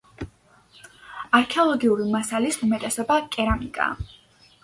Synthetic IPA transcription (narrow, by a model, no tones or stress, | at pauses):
aɾkʰɛɔlˠɔɡiuɾimasalisumɛt̪ʼɛsɔbakʼɛɾamikʼa̰